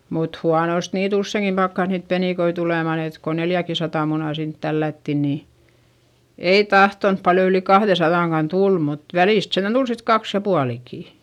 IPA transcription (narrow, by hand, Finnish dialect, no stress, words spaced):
mut huɑnost niːt usːeˑŋkim pɑkːɑs niːt peniˑkoi tulemɑˑn et ko neljækisɑtɑˑ munɑˑ sint tælːætːi niː ei tɑhtonp pɑljo yli kɑhðesɑðɑˑŋkɑn tul mut ʋæliˑst sentæn d̥ul sit kɑks jɑ puɑlikiˑ